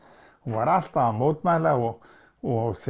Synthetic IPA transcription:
ɔvaɾal̥t̪aðmowt̪malaɣɔ | ɔs

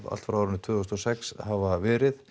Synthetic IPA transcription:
va̰lt̪faɾawɾʏnɪt̪ʰʏːɣst̪ɔsɛkshavavɛːɾɪð

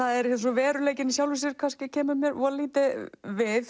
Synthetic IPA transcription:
aðɛɾjɛt̪sɔvɛːɾʏleːjcɪnɪsjawlʏs̬ɪɾ̥kʰanscɪcʰɛːmʏmjɛɾɔliːt̪ɪvɪθ

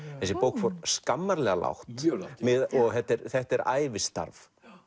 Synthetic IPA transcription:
θɛsɪpowkfɔɾskamːaɾlɛɣala̰wht̪mɪðɔɣθɛt̪ːɛɾθɛht̪ɛɾa̰ːjvɪst̪a̰ɾv

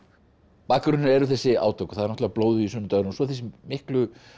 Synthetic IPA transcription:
pakɾʏnɪɾɛɾʏθɛsːɪa̰ːwt̪ʰowkʏ̥θaðɛɾnɔht̪ɛvaploːwðʏisʏnːʏt̪œːɾnnɔsvɔθɛs̬ɪmɪhklʏ

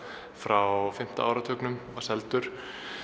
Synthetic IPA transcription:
fɾawfɪm̥t̪a̰ʔaːwɾat̪ʰœːknʏmasɛlt̪ʏɾ̥

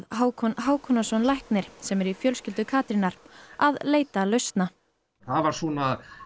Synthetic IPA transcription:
ðɦaːwkʰɔɦaːwkʰɔnasɔnlajhknɪɾ̥sɛmɛɾifjœlscʏlt̪ʏkʰaːt̪ɾinːaɾ̥aðleːjt̪alœɥst̪na | havaɾ̥sɔːna

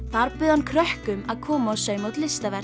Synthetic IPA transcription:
θaɾpʏðankʰɾœhkʏmaðkʰɔːmaawsœːɥmowt̪lɪst̪avɛr̥

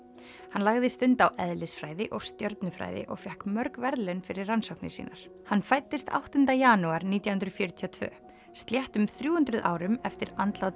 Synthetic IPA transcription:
hanlaɣðɪst̪ʏnt̪awʔɛðlɪsfɾaːjðɪʔɔɣst̪jœɾt̪nʏfɾa̰ːjðɪ̰ʔɔɣfjɛhkmœɾkvɛɾlʏnfɪɾɪrːansowhknɪ̰̥sḭːnaɾ̥hanːfajt̪ːɪst̪a̰wht̪ʏnt̪ajaːnuaɾniːt̪jawhʏnɾʏðfjʏɾʏt̪ʰiɔt̪ʰvœ̰ː | st̪ljɛht̪ʏmθɾjuːhʏnt̪ɾʏðʔa̰wɾʏmɛft̪ɪɾant̪law

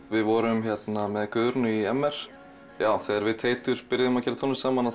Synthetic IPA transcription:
vɪðvɔɾʏmçjɛt̪namɛðkœːðɾnʏiɛmːɛɾ̥ | jaːwθɛɣaɾvɪðt̪ʰeːjt̪ʏɾ̥pɪɾɪðɪʏmacɛːɾɪt̪ʰoːlnʏsaːmana

